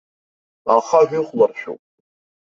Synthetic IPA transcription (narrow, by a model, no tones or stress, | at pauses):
aχaʒᶣʷɪχʷlarʃᶣo̰pʼ